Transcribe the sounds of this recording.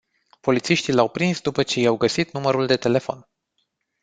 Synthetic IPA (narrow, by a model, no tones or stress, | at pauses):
po̞lit̪siʃt̪ilawpɾinsd̪upət͡ʃe̞jawɡəsit̪numəɾuld̪e̞t̪e̞le̞fo̞̰n